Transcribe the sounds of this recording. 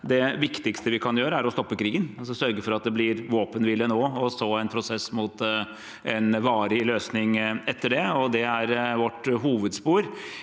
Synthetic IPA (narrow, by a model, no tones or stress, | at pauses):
d̪ɛʋɪkt̪ɪkst̪əʋɪkʰɑnjøːɾəæɾɔst̪ɔpːəkʰɾiːɡənɑsɔsœɾɡəfɔɾɑt̪̚d̪ɛblɪɾʋoːpənʋɪlːənoːɔsoːɛɪnpʰɾʊsɛsːmʊt̪ | ʔɛnʋɑːɾɪløːsnɪŋɛt̪ːəɖɛɔd̪ɛæɾʋɔʈːɦuːʋəd̪spuːɾ